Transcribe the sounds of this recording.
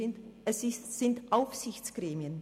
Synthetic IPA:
ɛsɪsz̥ɪntʔaʊfz̥ɪçt͡sɡ̥ʁeːmiən

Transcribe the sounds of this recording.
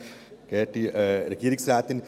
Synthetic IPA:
keːʈːiɾekiɾiksɾaːt̪in

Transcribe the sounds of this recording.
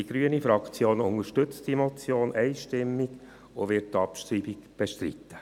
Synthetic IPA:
iɡ̥ɾyənifɾɑkt͡sjoːnʊŋəʃtʏt͡std̥imɔt͡sjoːnʔɛɪʃtɪmːiɡ̥ | oʋɪrttɑpʃtɾiːbikb̥eʃtɾḭt̪ːə̥

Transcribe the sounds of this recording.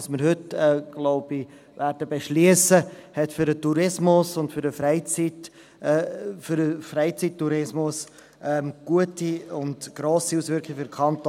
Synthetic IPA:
smɪɾhʏtɛɡ̥lɔʊb̥i | væːɾdəbeʃliəsəhɛtfʏɾətuɾɪsmʊsʊndfʏɾəfɾɛɪt͡sit | fʏɾəfreɪt͡sittːuɾɪsmʊs | ɛmɡ̥uətiʊndɡ̥ɾoːsiusʋʏɾkʰχɪɡəfʏɾkʰɑnt̪

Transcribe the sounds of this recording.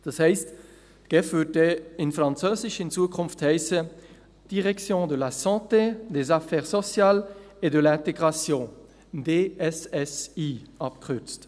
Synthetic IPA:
d̪̥ɑshɛɪst | ɡ̥ɛfutəɪnfʁɑ̃nt͡søːzɪʃint͡suəkʰɔ̃nfthɛɪsə | d̥iʁɛksjõdəlasɑ̃tedezafɛːʁsɔsjal | edəlɛ̃teɡʁasjɔ̃ | deɛsɛsiɑp̚kʁyt͡st

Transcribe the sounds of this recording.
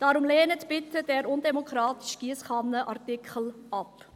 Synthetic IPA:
d̥ɑɾʊmleːnətbɪt̪əd̥ɛːɾʊndɛmokχɾɑːt̪i̥ʃɡ̥iəsχɑnːəʔɑrtɪkχəl̩ɑp

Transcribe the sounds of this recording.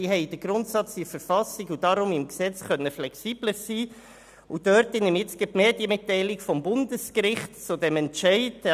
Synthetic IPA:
iɦɛɪd̥əɡɾʊntsɑt͡sifəɾfɑsɪɡud̥ɑɾʊmɪmksɛt͡sχœnːəflɛksiːb̥ləsiː | ud̥œɾtɪnɪmɪt͡sɡɪtmeːdjəmɪtːɛɪlɪɡfɔmbʊndəskɾɪχtt͡sudɛmɛntt͡ʃɛɪd

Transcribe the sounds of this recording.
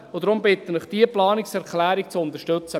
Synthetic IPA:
od̥̪ɾʊmbɪt̪ənəχd̥iəplɑːnɪksɛɾkʰlæːɾik̚t͡sʊʊnt̪əʃtøt͡sə

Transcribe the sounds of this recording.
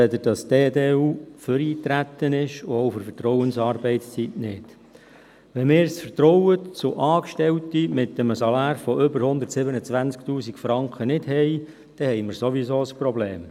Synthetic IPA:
ɛd̪əd̥ɑsd̥eːd̪eːuːfəɾiːt̪ɾæt̪ːənɪʃʊowfəɾfərtɾɔwənsɑːɾbɛɪtst͡sitnɪd̥ | ʋɛmɪːɾsfərtɾɔwət͡sʊʔɑːkʃtɛwt̪imɪt̪ːəməsɑlɑːɾfɔʔʏbəɾhʊnd̪ətsɪbənət͡sʋænt͡skt̪uːsikfɾɑŋkχənɪdhɛj | d̥ɛhɛjməɾsoʋisoːəsprɔbleːm

